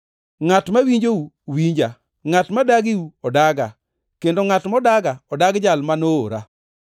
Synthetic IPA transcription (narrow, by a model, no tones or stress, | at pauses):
ŋatmawiɲd͡ʒouwiɲd͡ʒa | ŋatmadaɡiwuɔdaɡa | kendoŋatmɔdaɡaɔdaɡd͡ʒalmanoo̰ɾa̰